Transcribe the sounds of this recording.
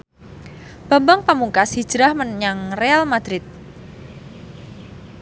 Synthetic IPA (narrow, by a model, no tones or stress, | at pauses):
b̥a̤mbaŋpəmuŋkasi̥d͡ʒɾahmənɲaŋrealmad̪̥ɾɪt̪̚